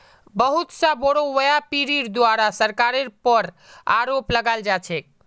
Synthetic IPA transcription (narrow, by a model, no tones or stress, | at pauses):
bəɦut̪sãboɽoʋəjapiɾiɾd̪waɾasəɾkaɾeɾpəɾ | a̰ɾopləɡaeld͡ʒat͡ʃʰɛk̚